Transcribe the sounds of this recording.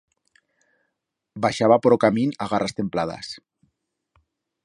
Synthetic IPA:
baʃaβapoɾokaminaɣarast̪emplað̞a̰s

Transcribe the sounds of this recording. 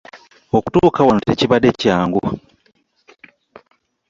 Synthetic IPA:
oku̥tukawanuteciβadecaːŋɡu

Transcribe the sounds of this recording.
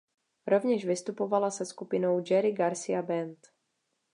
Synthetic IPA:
ɾovɲɛʒvɪst̪upovalasɛskupɪno̞wd͡ʒɛɾɪɡaɾsɪabɛnt̪

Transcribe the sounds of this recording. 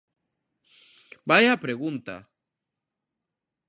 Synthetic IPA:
bajapɾeɣunt̪a̰

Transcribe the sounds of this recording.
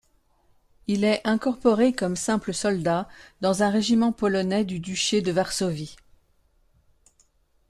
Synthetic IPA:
ilɛʔɛ̃kɔʁpɔʁekɔmsɛ̃pləsɔld̪ad̪ɑ̃zɛ̃ʁeʒimɑ̃pɔlɔnɛd̪yd̪yʃed̪əvaʁsɔvi

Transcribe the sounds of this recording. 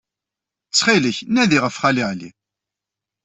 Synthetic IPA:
t͡sːχiləçnæðiʁəfχæliʕlḭ

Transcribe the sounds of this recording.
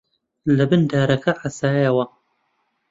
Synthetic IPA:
lɐbɨnd̪aːɾɐkɐħasaːjɐwɐ

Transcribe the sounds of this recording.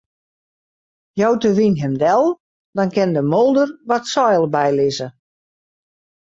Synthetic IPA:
jɔwtəʋinɦɛmdɛlˠ | d̥ɔnkɪndəmolˠdərʋɔtsɔjlˠbɛjlɪzə

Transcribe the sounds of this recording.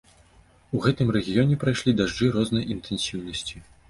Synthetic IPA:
uɣɛt̪ɨmɾɛɣʲijɔnʲɛpɾajʂlʲid̪aʐd͡ʐɨɾɔznɐjʔint̪ɛnsʲiwnɐsʲt͡sʲi

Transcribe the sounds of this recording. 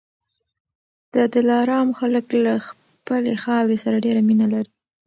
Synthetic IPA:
d̪̥əd̪ɪlɑɾɑmxaləklax | pəlexɑwɾesaɾaɖeɾaminalaɾi

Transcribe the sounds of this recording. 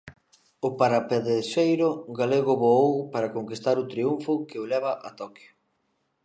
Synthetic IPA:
ʊpaɾapeðeʃejɾʊɡaleɣʊβoowpaɾakoŋkist̪aɾʊt̪ɾiuɱfʊkɪolɛβ̞aʔat̪ɔkjʊ

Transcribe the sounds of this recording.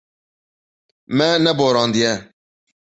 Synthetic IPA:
mɛnɛboːɾɑ̃ːnd̪ijɛ

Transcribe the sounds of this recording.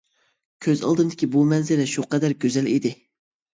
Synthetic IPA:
kʲʰøzɑ̰lˠd̪ɨmd̪ɪ̥kʲibumɛnzɪɾɛʃuqɛd̪æɾɡʲøzɛlid̪ɪ

